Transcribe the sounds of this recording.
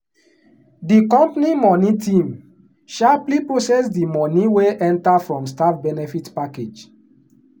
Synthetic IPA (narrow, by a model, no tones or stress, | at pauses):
dikɔ̃mpanimɔnĩtĩm | ʃaplipɹosɛsdimɔnĩweʔɛ̃ntafɹɔ̃mstafbɛnɛfitpaked͡ʒ